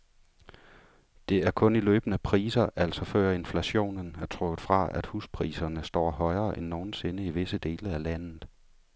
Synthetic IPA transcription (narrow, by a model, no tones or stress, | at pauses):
d̥e̝æɐkʰɔ̽nilø̰ːb̥ənəpʰʁiːsɐʔæl̰sɒ̽fɶɐ̰e̝nflæɕo̝̰ːnnæɐt͡sʰʁɔɡ̥ð̩ˠfʁɑ̈ʔæd̥huspʰʁḭːsɐnəsd̥ɒ̰ːɦɒ̽ɪɐːʔenːo̝ːn̩se̝nəiʋe̝səd̥e̝ːləælæn̰ð̩ˠ